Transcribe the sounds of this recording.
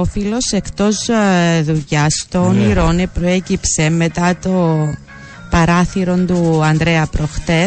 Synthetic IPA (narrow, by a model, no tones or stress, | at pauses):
ofilo̞se̞kt̪o̞zðuʝɐst̪o̞niɾo̞nepɾoe̞cipse̞me̞t̪ɐt̪o̞ | pɐɾɐθiɾo̞nd̪uɐnd̪ɾeɐpɾoxt̪e̞